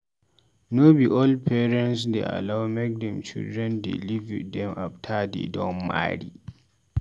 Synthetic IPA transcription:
nobiʔoldpʰɛɾɛ̃ntsdḛʔa̰lawmɛk̚dɛmt͡ʃḭldɾɛndḭlivdɛmʔaptʰadḛdɔmma̰ɽi

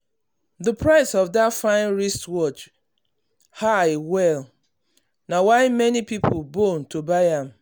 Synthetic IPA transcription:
ðəpʰɹaɪsɔvdatfãɪ̃nɹistwɔt͡ʃ | haɪwɛl | nawaɪmɛnipipʰʊlbontobaɪãm

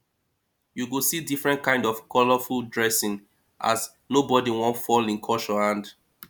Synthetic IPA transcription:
juɡosidifɹɛ̃ntkãɪ̃ndɔv̥kʰɔləfuldɹɛsɪ̃ŋ | ʔa̰z | nobɔdiwɔ̃ntfɔlĩnkʰɔʃɔhãnd

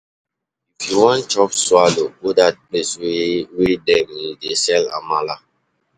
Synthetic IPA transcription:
ifjuwɔ̃nt͡ʃɔpswaloɡodat̚pleswwedɛ̃midesɛlã̰mala

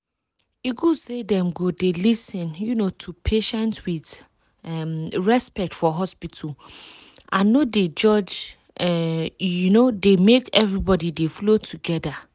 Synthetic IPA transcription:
iɡusedɛ̃mɡodelisɪ̃njunotʰupʰeʃɛ̃ntwið | ɛmɹɛspɛk̚tfɔɦɔspitʰul | ʔãnːoded͡ʒɔd͡ʒ | ɛjunodemekɛvɹibɔdideflotʰuɡɛda

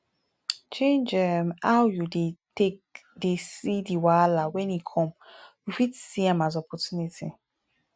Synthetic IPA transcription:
t͡ʃẽnd͡ʒɛmawjudetekdesidiwalawɛ̃nikʰɔ̃mjufitsiãmazɔpɔtjunitʰi

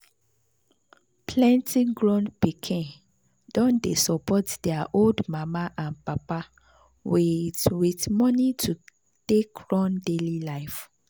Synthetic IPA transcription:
pʰlɛ̃ntʰiɡɹɔ̃npikʰĩn | d̥ɔ̃ndesɔpɔtdɛaʔoldmamaʔãnpapa | wiwitmɔnitʰu | tekɹɔ̃ndelilaɪf

